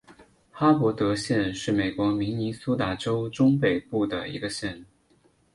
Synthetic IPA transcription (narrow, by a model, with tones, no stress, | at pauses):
xa˥pwɔ˧˥t̪ɤ˧˥ɕjɛ˥˧nʂɻ̩˥˩me˨˩ɪkwɔ˧˥mi˧˥ŋni˧˥su˥t̪a˥˩ʈ͡ʂo˥ʊʈ͡ʂʊ˥ŋpe˨˩ɪpu˥˩d̪ə̰˩ḭ˧˥ɡə˧ɕjɛ˥˧n˩